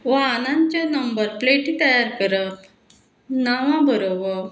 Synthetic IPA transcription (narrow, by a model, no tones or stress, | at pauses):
ʋanãɲt͡ɕanəmbəɾpleʈit̪əjaɾkəɾət̪ | naʋãbəɾobə